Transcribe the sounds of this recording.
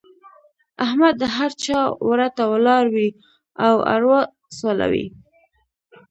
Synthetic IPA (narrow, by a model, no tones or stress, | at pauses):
ahmad̪ːəɦaɾt͡ʃɑwɾat̪awlɑɾwi | awa̰ɾwa | sola̰wḭ